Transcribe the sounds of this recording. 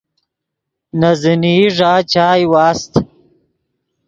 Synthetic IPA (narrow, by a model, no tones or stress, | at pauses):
nɐziniʐaːt͡ɕaːjwaːst̪